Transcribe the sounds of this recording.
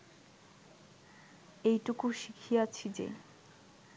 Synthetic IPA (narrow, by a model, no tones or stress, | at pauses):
ejʈukuʃikʰijat͡ɕʰid͡ʑḛ